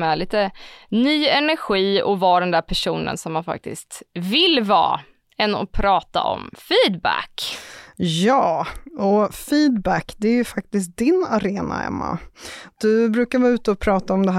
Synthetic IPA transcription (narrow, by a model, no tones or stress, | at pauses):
ɛɭiːt̪ənyːɛnæɾɧiːɔvɑːɖɛnd̪æːɾpʰæʂuːnə̰nsɔmːanfa̰k̚t̪ɪ̰st̪vɪlvɑ̰ː | ɛnːɔ̰pʰɾɑːt̪a̰ʔɔ̰mfiːd̪bæ̰k | jɑːɔfiːd̪bækd̪ɛæɾjɵfak̚t̪ɪskt̪̚d̪ɪnaɾeːna̰hɛ̰mːa̰d̪̥ɵbɾʉ̟ːkaɾvɑːʉ̟ːt̪əɔpʰɾɑːt̪aɔmd̪ɛɦ